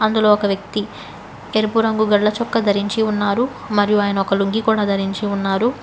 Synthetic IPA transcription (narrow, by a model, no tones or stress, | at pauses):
ɐnd̪ulo̞ːɔkɐʋjɐk̚t̪i | eɾupuɾɐŋɡuɡɐɽlɐt͡ʃɔkːɐd̪ʱɐɾiɲt͡ʃiunːaːɾu | mɐɾijuaːjɐnɐɔkɐluŋɡikuːɽaːd̪ʱɐɾiɲt͡ʃiunːaːɾu